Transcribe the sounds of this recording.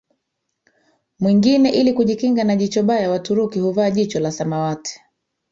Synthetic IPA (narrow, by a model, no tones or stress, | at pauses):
mwiŋɡinɛʔilikuʄikiŋɡanaʄit͡ʃɔɓajawatuɾukihuvaːʄit͡ʃɔlasamawatʰɛ̥